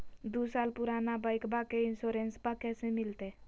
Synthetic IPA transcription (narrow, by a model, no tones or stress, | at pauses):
d̪usaːlpʊɾaːnabaɪkbakeɪnsoːɾenspəkɛːsemɪlt̪e